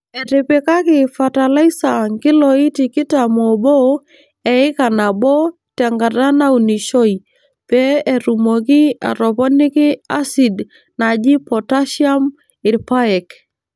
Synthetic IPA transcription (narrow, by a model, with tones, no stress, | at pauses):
e˨ɾɪ˨pe˨ka˦kɪ˨fa˨ta˨la˦isa˨ŋkɪ˦lɔ˨i˦ti˨kɪ˦tamo˨bɔ˦ | ɛ˨ɪ˦ka˨na˨bɔ˦ | tɛ˨ŋɡa˨da˦na˦u˨ni˨ʃɔ˦i˨ | pɛ˦e˨ɾu˨mo˨kɪ˦a̰˨ɾɔ˨pɔ˦nɪ˦kɪ˦a˦si˨d | na˨d͡ʒɪ˦pɔ˨ta˦ʃja˦m | ɪ˨ɾpa˦ɛ˨k